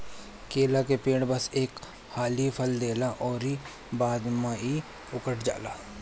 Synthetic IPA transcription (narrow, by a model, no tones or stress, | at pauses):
keːlakepẽːɽbɐseːk | haːlipʰəld̪eːlaʔɔːɾi | baːd̪mai | ʊkəʈʰd͡ʒa̰ːlaː